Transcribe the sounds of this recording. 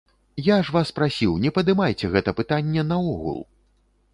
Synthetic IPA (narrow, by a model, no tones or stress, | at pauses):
jaʂvaspɾasʲiwnʲɛpɐd̪ɨmajt͡sʲɛɣɛt̪ɐpɨt̪anʲːɛnɐɔɣṵlˠ